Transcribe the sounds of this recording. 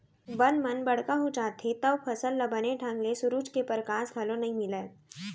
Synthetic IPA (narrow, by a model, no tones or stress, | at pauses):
ʋɐnmɐnbɐɽ̤kaɦut͡ʃaːt̪ʰet̪ɐʋpʰɐsəlːɐbəneʈʰə̃ŋɡlesʊɾuːt͡ʃkepəɾkaːsɡʱɐlõnɐɦĩmɪleː